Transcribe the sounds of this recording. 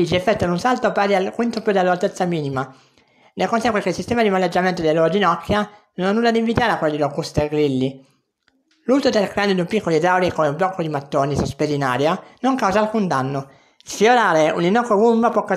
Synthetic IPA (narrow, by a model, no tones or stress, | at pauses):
id͡ʒiɛfːɛt̪ːoad̪unsalt̪opaɾialkwint̪opjud̪elːalt̪et̪sːamiːnima | nekonsɛŋkwekeilsist̪ɛːmad̪imalːed͡ʒːament̪od̪elːoɾd͡ʒinɔkʰːjanonanːulːad̪iɱvit̪aːɾeakwelːd̪ilokːust̪eɡɾilːi | luːzod̪elkɾeand̪od̪umpikʰːolid̪awɾikomeumblɔkːod̪imat̪ːoːnisospezina̰ːɾjanoŋkawzaːlkund̪anːo | fjoɾaːɾeuninɔkːoɡumbapwɔkːa